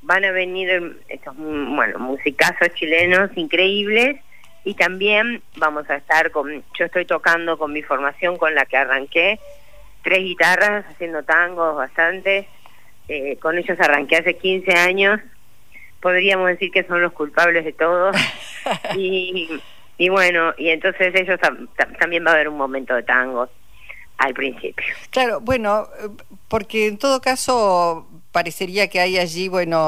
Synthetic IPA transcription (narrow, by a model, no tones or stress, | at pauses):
banaβe̞niɾ | ḛst̪ozmbwḛno̰musikasost͡ʃileno̞siŋkɾeiβ̞les | it̪ambje̞m | bamo̞saest̪aɾkonʒ̥o̞est̪o̞jt̪o̞kand̪o̞ko̞nmifo̞ɾmasjo̞ŋko̞nlakearaŋke | t̪ɾezɣit̪arasasje̞nd̪ot̪aŋɡo̞zβast̪ant̪e̞s | eko̞ne̞ʒosaraŋkease̞kinse̞aɲos | po̞ðɾiamozðe̞siɾkeso̞nlo̞skulpaβlezðet̪oðo | i | βwenoʔie̞nt̪o̞nseseʒost̪at̪at̪ambjembaβeɾunmo̞mẽnt̪oðe̞t̪aŋɡo̞s | alpɾinsḭpjoklaɾobwe̞no | poɾkeːnt̪oðokaso | paɾese̞ɾiakeajaʒiβwe̞no